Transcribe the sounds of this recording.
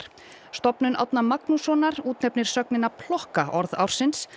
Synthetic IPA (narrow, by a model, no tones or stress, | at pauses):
st̪ɔpnʏnʔa̰wt̪namaknusɔːnaɾuːt̪nɛpnɪɾ̥sœknɪnapʰlɔhkaʔɔɾða̰wɾ̥sɪns